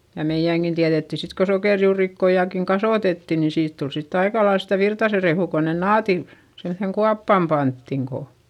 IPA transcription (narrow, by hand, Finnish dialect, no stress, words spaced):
jɑ meiæŋkin tiæðetːi sit ko sokeˑrjuːrikːojɑkiŋ kɑsoˑtetːi nin siːt tul sitː ɑikɑlɑils sitæ ʋirtɑse rehuˑ ko nen nɑːti semθeŋ kuɑpːɑˑm pɑntːiŋ ko